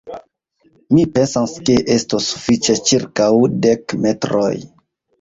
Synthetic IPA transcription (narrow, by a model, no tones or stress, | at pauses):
mipe̞nsanskeʔestosːu̥fit͡ʃet͡ʃiɾkawdekme̞tɾo̰j